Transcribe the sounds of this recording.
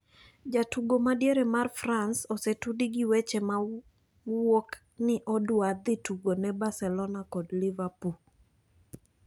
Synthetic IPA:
d͡ʒatuɡomadjeɾemarfransosetudiɡiwet͡ʃɛma | wok | nɪʔɔdwad̪ɪtuɡonɛbasɛlɔnakɔdlivapul

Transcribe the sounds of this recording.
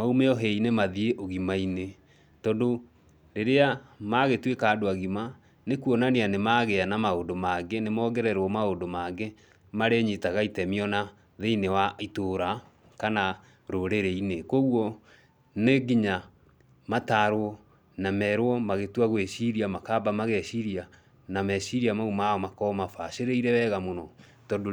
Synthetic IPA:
maumeɔɦeinemaðieʔoɣimaine | tɔndo | ɾeɾeamaɣetwekaːdoaɣima | nekuɔnaneanemaɣeanamaondomaɡenemɔːɡɛɾɛɾwɔmaondomaɡe | maɾeɲitaɣaitɛmiɔna | ðeinewaitoɾa | kana | ɾoɾeɾeinekoɣwɔ | neɡiɲa | mataɾwɔ | namɛɾwɔmaɣetwaɣweɕiɾiamakabamaɣeɕiɾia | namɛɕiɾiamaumaɔmakɔmafaʃeɾeiɾɛwɛɣamonɔ | tɔdo

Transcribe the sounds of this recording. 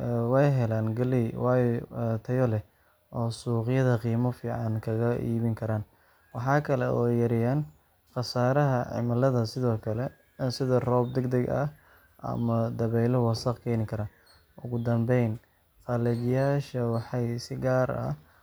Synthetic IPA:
wɛjɦɛlaːnɡɐliwɑːjɔt̪ʰɐjɔlɛ | ʔɔːsuːqɪjɐðɐqiːmɔfiːʕɑnkʰɐɣɐʔḭːβɪŋkʰɐɾaːn | wɑħɑːkʰɐlɛʔɔːjɐɾɪjaːn | qɑsaːɾɐɦɐʕɪ̰mɐlɐðɐsɪðɔːkʰɐlɛ | sɪðɐrɔːb̚d̪ɛɡd̪ɐɡɐ̰ | ʔɐ̰mɐd̪ɐβɛjlɔwɑsɐqkʰɛjnɪŋkʰɐɾɐ | ʔʊɣʊd̪ɐmbɛjn | qɑlɛðɪjaːʃɐwɑħɑjsɪɡaːɾɐ̰

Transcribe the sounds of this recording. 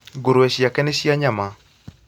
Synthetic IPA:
ɡoɾoɛʃijakɛneʃiaɲama

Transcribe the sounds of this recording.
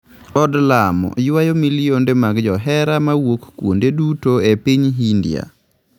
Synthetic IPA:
ɔdlamɔ̰jwajomilɪjondemaɡd͡ʒɔɦɛɾamawokkwo̰ndedutoepiɲɦindɪja̰

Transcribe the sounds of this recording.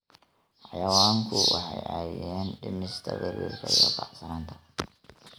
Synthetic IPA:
ħɑjɐwaːŋkʰʊwʔɑ̰ħɑjʔaːjɛːnɖɪmɪst̪ʰɐbɪɾiːrkʰɐijɔbɑħsɐɾaːnt̪ʰɐ̥

